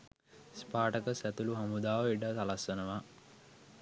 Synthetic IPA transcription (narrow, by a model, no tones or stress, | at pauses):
spaːʈəkəsæt̪uluɦamud̪aːʋəiʈət̪alasʋənəʋa